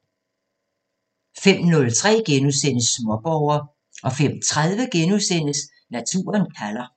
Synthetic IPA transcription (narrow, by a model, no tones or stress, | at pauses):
fem̰nɔ̽lt͡sʰʁɛ̰ːɡ̥enuðˠsen̰əsːmɔɐb̥ɒʊɐ | ʔɒ̽fem̰t͡sʰʁað̞ˠʋəɡ̥enusen̰əs | næt͡sʰṵːɐnkʰælɐ